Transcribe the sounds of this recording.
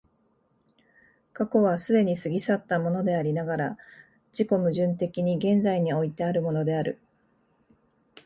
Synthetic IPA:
kako̞β̞asɨd̪e̞ɲ̟isɨɡʲisat̪ːamo̞no̞d̪e̞aɾʲinaɡaɾa | d͡ʑiko̞mɯ̟ʑɨ̃nt̪e̞kʲiɲ̟iɡẽ̞nd͡zaiɲ̟io̞it̪e̞aɾɯ̟mo̞no̞d̪e̞aɾɯ̟̰

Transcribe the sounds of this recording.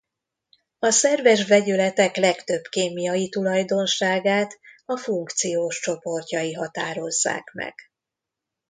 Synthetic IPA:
ɒsɛrvɛʒvɛɟylɛt̪ɛklɛkt̪øbkeːmijɒjit̪ulɒjd̪o̞nʃaːɡaːt̪ɒfuŋkt̪sijoːʃt͡ʃo̞po̞rcɒjiɦɒt̪aːɾo̞zːa̰ːkmɛ̰ɡ̥

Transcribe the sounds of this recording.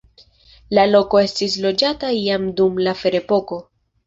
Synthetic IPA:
lalo̞ko̞e̞stislo̞d͡ʒataiamdumlafe̞ɾe̞po̞ko̞

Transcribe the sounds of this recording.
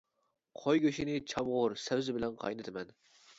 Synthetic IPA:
qʰojɡʲøʃinɪt͡ʃʰɑmʁʊɾsɛwzɪbɪlɛnqʰɑ̰jnɨt̪ʰɪmɛn

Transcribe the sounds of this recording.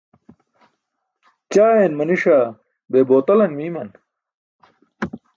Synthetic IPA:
t͡ɕaːjenmɐniʂa | beːboːt̪ɐlɐnmiːmɐn

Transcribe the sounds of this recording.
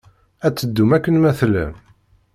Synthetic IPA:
æt͡sːəd̪ːumækːənmæθlə̰m

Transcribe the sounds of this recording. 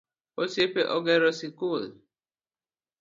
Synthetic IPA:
osiepeʔɔɡɛɾɔsikul

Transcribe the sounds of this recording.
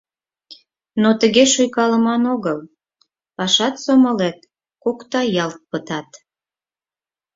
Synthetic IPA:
not̪əɣeʃujkɑləmɑnoɣəl | pɑʃɑt̪soməlet̪̚ | kokt̪ɑjɑlt̪̚pət̪ɑt̪

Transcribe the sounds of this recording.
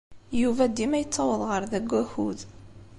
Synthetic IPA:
juvæd̪ːimæjət͡sːɑwəðˤʁəɾðæɡʷːæhuð

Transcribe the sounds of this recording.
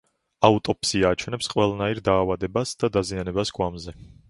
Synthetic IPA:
aut̪ʼɔpsiaːt͡ʃʰwɛnɛpsqʼwɛlˠanaiɾd̪aːvad̪ɛbasd̪̥ad̪azianɛbasɡʼwamzɛ

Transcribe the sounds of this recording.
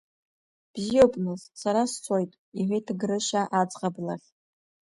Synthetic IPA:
b̥zijopʼnɨzsaɾast͡sʷʰojtʼ | iħʷejtʰɡɾɨʃaʔad͡zqʼablaχʲ

